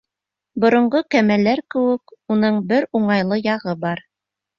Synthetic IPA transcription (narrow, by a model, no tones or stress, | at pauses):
bŏɾŏɴɢokæmælːæɾkɘ̆wɘ̆kunɤɴbɘɾuɴɑjlˠɤjɑʁɤbɑɾ